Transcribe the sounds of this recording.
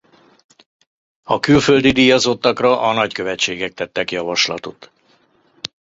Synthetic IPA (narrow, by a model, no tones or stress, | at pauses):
ɒkylføld̪id̪ijɒzo̞t̪ːɒkrɒʔɒnɒckø̞vɛt͡ʃːeːɡɛk̚t̪ɛt̪ːɛkjɒvɒʃlɒt̪ot̪